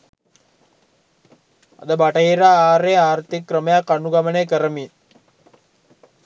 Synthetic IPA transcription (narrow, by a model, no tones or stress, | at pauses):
a̰d̪əbaʈəɦiɾaːaːɾeaːrt̪ikːrəməjakːanuɡamənejkəɾəmin